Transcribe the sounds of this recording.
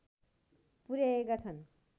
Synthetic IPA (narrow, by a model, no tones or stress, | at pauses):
puɾjaekat͡sʰʌn